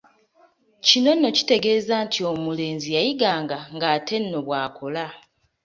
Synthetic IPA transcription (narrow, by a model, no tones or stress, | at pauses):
cino̞nːo̞ci̥te̞ɡe̞ːzaːntʰio̞mule̞ːnzijajiɡaːŋɡaŋɡaːtʰe̞nːo̞βwaːkʰo̞la